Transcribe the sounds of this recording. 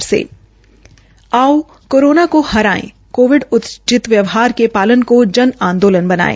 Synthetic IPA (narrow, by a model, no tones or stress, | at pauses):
ɾsḛː | aːo | koːɾoːnakohɐɾaːḛ̃ː | koːʋɪɖʊt̪t͡ʃɪt̪ʋjəʋɦaːɾkepaːlənkod͡ʒɐnãːnd̪oːlənbɐna̰ːḛ̃ː